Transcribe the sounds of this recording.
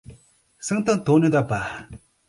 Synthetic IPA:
səŋt̪aŋt̪onəd̪apa

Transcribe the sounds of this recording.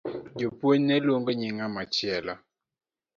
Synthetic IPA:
d͡ʒopwoɲnɛlwoŋɡoɲɪŋamat͡ʃɪɛlɔ

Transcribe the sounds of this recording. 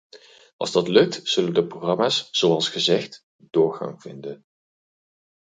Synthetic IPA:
ʔɑ̰lˠzdɑtlɵk̚tz̥ɵləndəproχrɑmaːsz̥owɑlˠsχəzɛχt | d̥ʊːɹχɑ̰ŋv̥ɪndən

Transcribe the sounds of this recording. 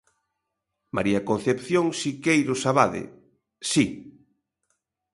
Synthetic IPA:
maɾiakon̟θepθjoŋsikejɾʊsaβaðɪ̰ | si

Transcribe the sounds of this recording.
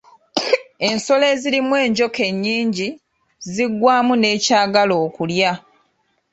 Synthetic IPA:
e̞nso̞le̞zilimwe̞ːɲɟo̞ke̞ɲːiːɲɟi | ziɡwaːmune̞ːcaːɡalo̞ːkulja

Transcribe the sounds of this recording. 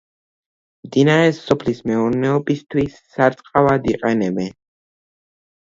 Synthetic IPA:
md̪inaɾɛsɔpʰlismɛuɾnɛɔbist̪ʰwisːaɾt̪sʼqʼavad̪iqʼɛnɛbɛn

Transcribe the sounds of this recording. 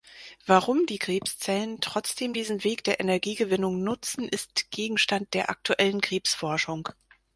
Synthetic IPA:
v̥aʁʊmdiːɡʁ̥eːpst͡sɛləntʁ̥ɔt͡sd̥eːmdiːzn̩veːkd̥eːɐʔenɛɐɡiːɡəvɪnʊŋnʊt͡sn̩ʔɪstɡ̥eːɡŋ̩ʃtant̚d̥eːɐʔa̰k̚tuʔɛlənkʁ̥eːpsfɔɐʃʊŋ

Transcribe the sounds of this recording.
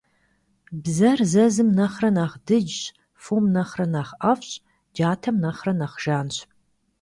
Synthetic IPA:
bzɐrzɐzɨmnɐχrɐnaːχdɨd͡ʒɕ | fomnɐχrɐnaːχɐfɕʼ | d͡ʒaːtʰɐmnɐχrɐnɐχʒ̥aːnɕ

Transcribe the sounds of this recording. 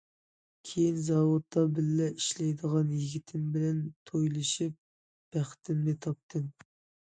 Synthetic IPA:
kʲʰejinzɑwot̪ʰːɑbɪlːɛʔiʃlɛjd̪əʁɑnjiɡʲit̪ʰɪmbɪlɛnt̪ʰojlˠɨʃip̚ | b̥æχt̪ʰɪmlɪt̪ʰɑp̚t̪ʰɨm

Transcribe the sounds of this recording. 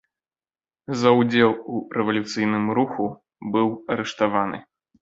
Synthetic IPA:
zɐwd͡zʲɛlˠuɾɛvɐlʲut̪sɨjnɨmɾuxu | bɨwɐɾɛʂt̪avanɨ̰

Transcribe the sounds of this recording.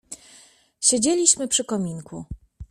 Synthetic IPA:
ɕed͡ʑelʲiɕmɘpʂɘkɔmʲiŋkʰu

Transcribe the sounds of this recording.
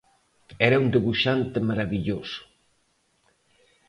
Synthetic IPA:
ɛɾɐund̪eβuʃant̪emaɾaβiʎosʊ̥

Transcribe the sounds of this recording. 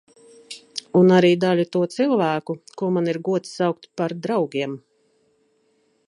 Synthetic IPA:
unaɾiːd̪alʲut̪uɔt̪silˠvæːkukuɔmaniɾɡuɔt̪ssawk̚t̪paɾd̪ɾawɡʲiɛm

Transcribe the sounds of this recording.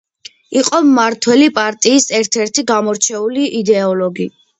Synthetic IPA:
iqʼɔmːaɾt̪ʰwɛlipʼaɾt̪ʼiːsɛɾt̪ʰɛɾt̪ʰiɡamɔɾt͡ʃʰɛuliʔid̪ɛɔlɔɡi

